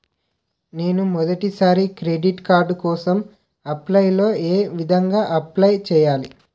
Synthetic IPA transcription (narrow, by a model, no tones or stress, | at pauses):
ne̞ːnumɔd̪ɐʈisaːɾikɾeːɖiʈkaːɾɖkɔːsɐm | ɐplɐjlo̞ːeːʋid̪ʱɐŋɡaːʔɐplɐjt͡ʃɛːjaːli